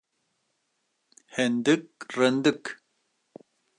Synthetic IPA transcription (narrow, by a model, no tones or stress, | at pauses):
hend̪ɨk̚rɛnd̪ɨk